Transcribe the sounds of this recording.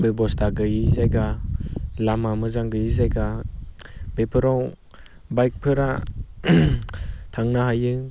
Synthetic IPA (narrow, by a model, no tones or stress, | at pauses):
bebɔstʰaɡɯjizajɡa | lamamɯzaŋɡɯjizajɡa | b̥epʰɯɾaw | bajk̚pʰɯɾa | tʰaŋnaɦajɯŋ